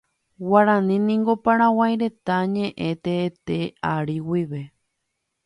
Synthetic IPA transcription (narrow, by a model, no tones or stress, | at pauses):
waɾãnĩnĩŋɡo̞pãɾ̃ãwajɾe̞t̪aɲẽ̞ʔẽt̪eːt̪e̞aɾiwiʋe̞